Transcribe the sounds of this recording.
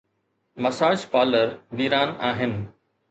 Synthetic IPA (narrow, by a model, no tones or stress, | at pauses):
mɐsaːʃpaːləɾɡiːɾaːnaːɦɪnɪ̆